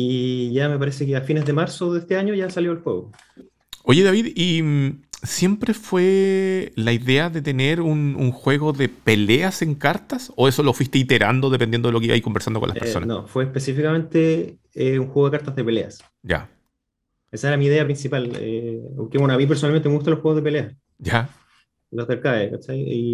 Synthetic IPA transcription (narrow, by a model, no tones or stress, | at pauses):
iʝamep̬aɾesekeafinezðemaɾsoðeest̪eaɲoʝasaljoelxweɣo | o̞ʝeðaβiðimsje̞mpɾe̞fwe | laiðeaðet̪e̞neɾunṵŋxwe̞ɣo̞ðepelease̞ŋkaɾt̪asoe̞solo̞fwist̪eit̪e̞ɾa̰nd̪o̞ðepend̪jend̪oeokeiβa̰iko̞mbeɾsand̪oo̰lapeɾso̞na̰nofweːhpesifikament̪e | euŋxweɣoekaɾt̪azðepelea̰s | ɟ͡ʝa̰ | esaeɾamiːðeapɾinsipalḛpokewenoamip̬eɾs̬onalment̪emeut̪aloxweozðepelea | ɟ͡ʝa | lozðelkaekat͡ʃaji